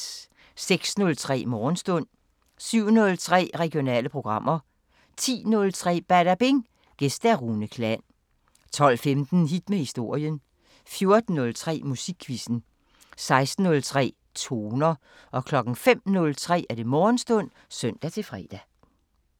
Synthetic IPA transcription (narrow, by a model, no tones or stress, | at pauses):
seɡ̥snɔ̽lt͡sʰʁɛ̰ːmɒːn̩sd̥ɔ̽n̰ | syʊ̰nɔ̽lt͡sʰʁɛ̰ːʁɛɡ̥ijo̝nɛ̰ːləpʰʁo̝ɡ̥ʁɑ̈m̰ɐ | t͡sʰḭːnɔ̽lt͡sʰʁɛ̰ːb̥æɾ̥æb̥e̝ŋ | ɡ̥esd̥æʁunəkʰlæn̰ | t͡sʰɒ̽l̰femd̥n̩ɦid̥mehisd̥o̝ɐ̰jən | fjo̝ɐd̥n̩ːɔ̽lt͡sʰʁɛ̰ːmusiɡ̥kʰːʋisn̩ | sɑ̈ɪsd̥n̩ːɔ̽lt͡sʰʁɛ̰ː | t͡sʰo̝ːnɐ | ʔɒ̽kʰlɒ̽ɡ̥n̩fem̰nɔ̽lt͡sʰʁɛ̰ːæɐd̥e̝mɒːnsd̥ɔ̽n̰ | sœn̰d̥æt͡sʰe̝fʁɛ̰ːd̥æ